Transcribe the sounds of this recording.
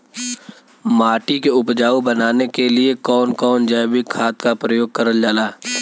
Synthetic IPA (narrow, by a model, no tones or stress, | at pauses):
maːʈikeʊpd͡ʒaːubənaːnekeliekɔːnkɔːnd͡ʒaːbʱikʰːaːt̪kapɾəjoːɡ̚kɐɾəld͡ʒaːlaː